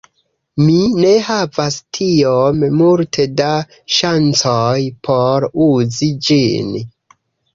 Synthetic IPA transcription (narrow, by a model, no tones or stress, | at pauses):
mine̞havastʰiommultʰe̞da | ʃant͡sojpʰo̞ɾuzid͡ʒḭn